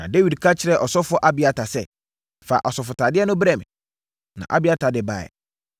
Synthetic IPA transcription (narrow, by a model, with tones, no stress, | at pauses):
nã˨de˦wi˨dkʰa˦t͡ɕʰɪ˨ɾɛ˨ʔɔ˨sɔ˦fʊ˦ɔ˦ʔa˦bɪ˨a˦tʰa˨sɛ˦ | fa̰˨ʔɔ˨sɔ˨fʊ˨tʰa˨dɪ˦ɛ˦nʊ̃˦bɾɛ̃˨m˨ | nã̰˨ʔa̰˨bɪ˨˦a˦tʰa˨dɪ˦ba̰˨ɛ̰˨